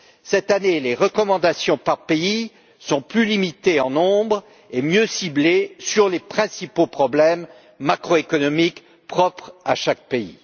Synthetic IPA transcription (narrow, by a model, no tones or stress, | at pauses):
sɛt̪aneleʁəkɔmɑ̃d̪asjɔ̃paʁpei | sɔ̃plylimit̪eɑ̃nɔ̃bʁ | emjøsiblesyʁlepχɛ̃sipopχɔblɛmː | akχoekɔnɔmik | pχɔpχa̰ʃak̚peḭ